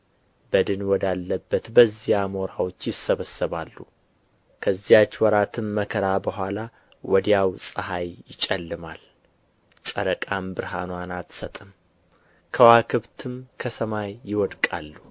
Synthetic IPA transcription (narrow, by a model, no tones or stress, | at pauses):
bəd̪ɨnwɔd̪alːəbːət̪bəzːijamoɾawo̞t͡ʃːjɪsːəβəsːəβalːu | kʰəzːijat͡ʃːwɔɾat̪ʰɨmːəkʰəɾabəɦʷala | wɔd̪jawsʼɨhajjɪt͡ʃʼɛlːɨmal | sʼəɾəkʼambɨɾɦanwanat̪sət̪ʼɨm | kʰəwakʰɨβt̪ʰɨmkʰəsəmajːɪwɔd̪kʼa̰lːu